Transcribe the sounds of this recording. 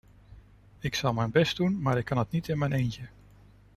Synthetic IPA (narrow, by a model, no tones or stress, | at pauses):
ɪksɑlˠmɛjnbɛst̚dunmaːɾɪkʰːɑnətnitɪnmɛjnejncə